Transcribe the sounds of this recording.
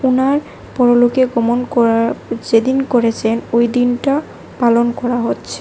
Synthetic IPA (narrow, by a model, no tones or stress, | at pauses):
unaɹ | pɔɹolokeɡɔmonkɔad͡ʑed̪inkoɹet͡ɕʰenojd̪inʈa | palonkɔɹaɦotːt͡ɕʰe̥